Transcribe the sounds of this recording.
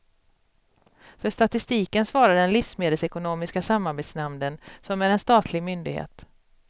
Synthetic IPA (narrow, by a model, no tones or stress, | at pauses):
fœʂt̪at̪ɪst̪iːkənsvɑːɾad̪ɛnlɪfsmeːd̪əlsɛkʊnoːmɪskasamːaɾbeːt̪snamnənsɔmæɾɛnst̪ɑːt̪ʰlɪɡmʏnd̪ɪɡhḛːt̪